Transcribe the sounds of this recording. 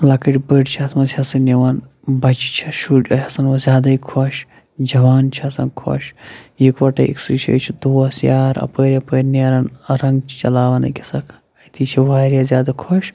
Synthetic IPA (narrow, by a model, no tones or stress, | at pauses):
lɐkɐʈʲbəɖt͡ʃʰiɐsmɐzʰʲɐsɨniʋɐn | bɐt͡ʃi̥t͡ʃʰiʃuʈʲɐ̰jɐsɐnʋɐzʲjaːd̪ɐikʰɔʃ | d͡ʒɐʋaːnt͡ʃʰiɐsɐnkʰo̰ʃjikʋɐʈɐ̰ʔḭksiʃɐ̰t͡ʃʰid̪oːɐsjaːɾɐ̰pəːɾʲɐpəːɾʲneɾɐnɐɾɐŋɡt͡ʃʰt͡ʃɐlaːʋɐnɐ̰kʲɐsɐkʰ | ɐt̪ʰit͡ʃʰiʋaːɾʲjazjaːd̪ɐkʰɔʃ